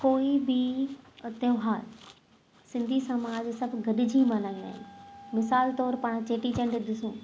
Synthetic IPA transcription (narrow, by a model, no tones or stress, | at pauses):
koːibɪ | t̪eɦaːd | sɪ̃nd̪ʱisɐmaːd͡ʑsɐbʱɡɐɗɪd͡ʑʱimalaːĩna̰ːɦẽmɪsaːlt̪ɔːɾpaːɽ̃t͡ɕeːʈit͡ɕɐ̃ɳɖd̪ɪsũː